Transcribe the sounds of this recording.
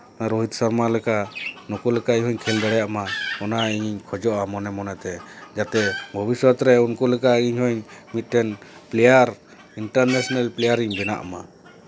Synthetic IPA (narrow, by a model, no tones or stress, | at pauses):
naɾɔɦit̪saɾmalɛkanɔkulɛkaʔɲɦɔɲkʰɛld̪ɛɽɛjaʔmaɔnaiɲiɲkʰɔd͡ʒɔʔamɔnɛmɔnɛt̪ɛd͡ʒat̪ɛbʱɔbisɔt̪ɾɛunkɔlɛkaʔiɲɦɔɲmit̪̚ˀʈɛnplɛjaɾ | iɳʈaɾnɛsɔnalplɛjaɾiɲbɛna̰ʔma